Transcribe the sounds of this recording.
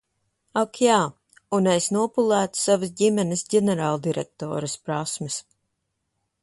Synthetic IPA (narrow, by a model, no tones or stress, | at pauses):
akjaː | unɛsnuɔpulˠæːt̪u̥savɨs̬ɟimɛnɨsɟɛnɛɾaːlˠd̪iɾɛ̰k̚t̪o̰ːɾɨspɾasmɨs